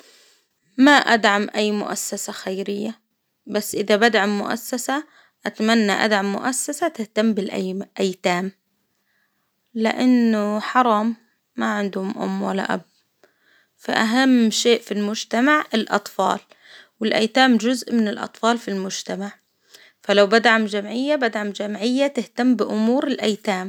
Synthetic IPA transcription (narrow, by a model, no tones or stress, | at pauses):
maʔad̪ʕamʔajːmʊ̰ʔa̰sːasaxajɾɪjːa | basːʔɪðabad̪ʕamːʊ̰ʔa̰sːasa | ʔat̪manːaʔa̰d̪ʕamːʊ̰ʔasːasat̪ɪht̪ambɪlʔaʔajt̪aːm | lɪ̰ʔanːʊħɑɾˤɑːmː | aʕɪnd̪hʊmʔʊ̰mːwalːa̰ʔa̰b̚ | fa̰ʔaɦamːʃeːʔfilmʊd͡ʒt̪amaʕɪlʔɑ̰t̪ˤfɑ̰ːl | wɪlʔa̰jt̪aːmʒʊzʔmɪnɪlʔɑ̰t̪ˤfɑːlfilmʊd͡ʒt̪amaʕ | falawbad̪ʕamd͡ʒamʕɪjːabad̪ʕamd͡ʒamʕɪjːat̪ɪht̪amːbɪʔʊmuːɾɪlʔajt̪aːm